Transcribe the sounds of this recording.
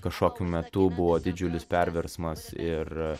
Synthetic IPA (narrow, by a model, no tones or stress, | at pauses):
kɐʃkoːkʲuːmʲɛt̪ʊbʊʋoːd̪ʲɪd͡ʒʲʊlʲɪspʲɛɾʲʋʲɛɾsmɐsɪr